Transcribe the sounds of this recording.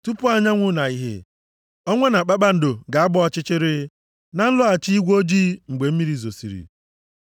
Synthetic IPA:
tu˦pʊ˦a˦ɲa˦ŋʷʊ˦na˨i˦ɦḛ˦ | ɔ˦ŋʷe˦na˨k͡pa˦k͡pa˦n̩˨do˨ɡa˨a˦bɔ˦ɔ˦t͡ʃɪ˦t͡ʃɪ˦ɾɪ˦ | na˨˦n̩˦lʊ˦a˨t͡ʃi˦i˦ɡʷo˦d͡ʒiː˦ŋ͡m̩˨ɡ͡be˨m̩˦mi˦ɾi˦˨zo˨sḭ˨ɾḭ˨

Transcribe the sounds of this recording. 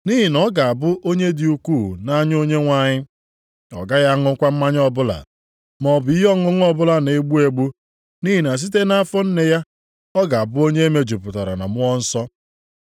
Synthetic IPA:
ni˦ɦi˨nɔ˦ɡa˨a˨bʊ˦ʔo˦ɲe˦di˨u˦kʷu˦˨na˦ɲ˦o˦ɲe˦ŋʷa˨ɲɪ˦ | ɔ̰˨ɡa˦ja˦ŋʊ˦kʷa˦m̩˦ma˦ɲ˦ɔ˦bʊ˦la̰˨ | mɔ˨bʊ˨i˦ɦɔ˦ŋʊ˦ŋ˦ɔ˦bʊ˦la˨ne˨ɡ͡bu˦e˨ɡ͡bu˦ | ni˦ɦi˨n˨a˨s̬i˦t̬e˦na˦fɔ˦n̩˦ne˨ja˦ | ɔ˦ɡa˨a˨bʊ˦o˦ɲe˦e˦me˦d͡ʒu˨pʊ˨ta˨ɾa̰˨na̰˨mʊ˦ɔ˦n̩˦sɔ˦

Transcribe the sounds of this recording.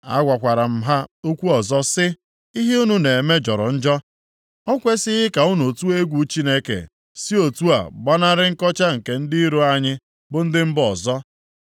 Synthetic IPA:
a̰˦ɡʷa˨kʷa˨ɾa˨m̩˦ɦa˦o˦kʷu˦ɔ˨zɔ˦sɪ˦ | i˦ɦe˦u˦nu˦ne˨e˨me˦d͡ʒɔ˨ɾɔ̰˨n̩˦d͡ʒɔ˦ | ɔ˦kʷe˦sɪ˦ɦɪ˦ka˨ʊ˦nu˨tu˦e˦ɡʷu˨˦t͡ʃi˦ne˦kḛ˨ | si˦o˨tu˦a̰˨ɡ͡ba˦na˦ɾɪ˦ŋ̩˦kɔ˦t͡ʃa˦ŋ̩˨ke˨n̩˦dɪ˦i˦ɾo˦a˦ɲɪ˦ | bʊ˦n̩˦dɪ˦m̩˦bɔ˨zɔ˦

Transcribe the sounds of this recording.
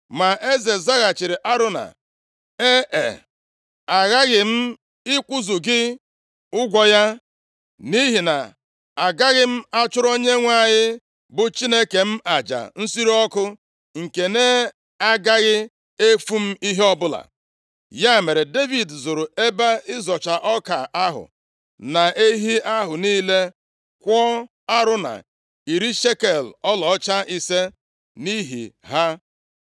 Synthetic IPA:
ma˨ʔe˦ze˨za˦ɣa˨t͡ʃɪ˨ɾɪ˨ʔa˦ɾʊ˦na̰˨ | e˦ʔḛ˨ | a˨ɣa˦ɣɪ˨m̩˦ | ɪ˦kʷʊ˦zʊ˨ɡɪ˦ | ʊ˦ɡʷɔ˦ja˦ | ni˦ɦi˨na̰˨ | a˨ɡa˦ɣɪ˦m̩˦a˦t͡ʃʊ˦ɾo˦ɲe˦ŋʷa˦ɲɪ˦ | bʊ˨t͡ʃi˦ne˦ke˨m̩˦a˨d͡ʒa̰˨n̩˦si˦ɾɔ˦kʊ˦ | ŋ̩˨ke˨ne˦ | a˦ɡa˦ɣɪ˦ | e˦fu˦m̩˦i˦ɦe˦ɔ˦bʊ˦la̰˨ | ja˦˨me˨ɾe˨de˦vi˨dzʊ˨ɾʊ˨e˦ba˦ɪ˦zɔ˨t͡ʃa˨ʔɔ˦ka˨ʔa˦ɦʊ̰˨ | na˨ʔe˦ɦi˦ʔa˦ɦʊ˨niː˦le˦ | kʷɔ˦ | a˦ɾʊ˦na̰˨ | i˨ɾi˦ʃe˦ke˨lɔ˦lɔ˨˦t͡ʃa˦ʔi˦se˦ | ni˦ɦḭ˨ɦa˦

